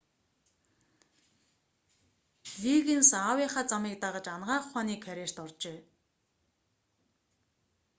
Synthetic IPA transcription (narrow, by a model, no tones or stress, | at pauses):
ɮiːɣĕnsaːwiːχaːt͡samiːk̚t̪aʁə̆t͡ɕanʁaːχʊχaːniːkʰːæɾʲeːr̥t̪ɔrt͡ɕeː